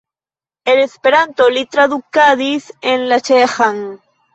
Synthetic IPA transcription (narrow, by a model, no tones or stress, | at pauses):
elespeɾant̪olit̪ɾaðukaðiθenlat͡ʃexaŋ